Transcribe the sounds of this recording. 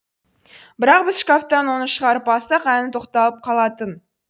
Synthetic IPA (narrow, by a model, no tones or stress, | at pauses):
bɪɾɑq̚bɪz̥ʃkaft̪ɑnwo̞nəʃəʁɑɾəpɑsɑqænɪt̪ʰo̞qt̪ɑlˠəp̚qʰɑlˠɑt̪ən